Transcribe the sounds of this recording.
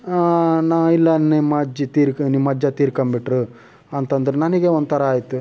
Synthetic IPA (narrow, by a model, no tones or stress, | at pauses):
naːilːɐnemɐːd͡ʒit̪iːɾknimːɐd͡ʒːɐt̪iːɾkɐmbiʈɾu | ɐnt̪ɐnd̪ɐɾenɐnɐɡeond̪ut̪ʰɐɾɐaːjt̪ːu